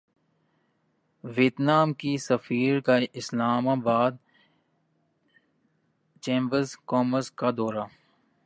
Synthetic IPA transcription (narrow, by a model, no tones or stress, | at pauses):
ʋeːt̪naːmkisəfiːɾkaɪslaːmaːbaːd̪̚ | t͡ʃẽːmbəɾzkɔːməɾskad̪ɔːɾaː